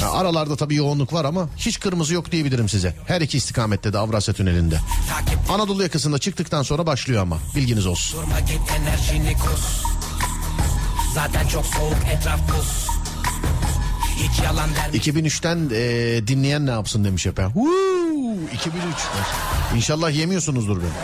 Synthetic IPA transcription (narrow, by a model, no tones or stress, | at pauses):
a̰a̰ɾalˠaɾd̪at̪ʰabiːjo̞unlˠukvaɾamaçit͡ʃkʰɯɾmɯzɯjokd̪ije̞bilʲiɾimsizɛhæɾicʰiːst̪ʰi̥kʰaːmɛt̪ʰlːed̪iavɾasɛt̪ʰynelʲind̪ɛ̰t̪ʰaːcʰip̚anad̪o̞lˠujakʰɯsɯnd̪at͡ʃʰɯkt̪ɯk̚t̪ʰanso̞nɾabaʃlˠɯjo̞ama̰bilʲɟinizosuɾmaɟit̪enːæɾʃinikʰoz | zaːt̪ʰænt͡ʃʰoksoukɛt̪ɾafboz | icʰialˠand̪æɾicʰibinyt͡ʃt̪ʰænɛd̪inlʲejænːɛjapsɯnd̪e̞miʃjapʰɛu | icʰibinyt͡ʃ̪ | inʃalˠːahje̞mijo̞sunuzd̪uɾben